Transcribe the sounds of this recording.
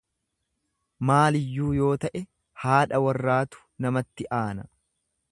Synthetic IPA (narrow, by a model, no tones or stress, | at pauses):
maːlɪjːuːjo̞ːt̪ɐʔɛ | haːᶑɐwɐrːaːt̪ʊ̥nɐmɐt̪ːɪʔaːnɐ